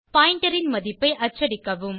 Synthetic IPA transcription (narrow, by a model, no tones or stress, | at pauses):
pɐːjɪɳʈɐɾɪnmɐðɪpːɐɪʔɐt͡ʃːɐɽɪkːɐʋɯm